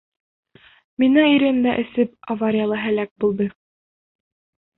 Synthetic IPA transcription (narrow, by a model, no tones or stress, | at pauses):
minæiɾɘ̆nd̪æʔɘ̆sɘp̚avaɾʲɪjalˠɤɦælæk̚bulˠd̪ɤ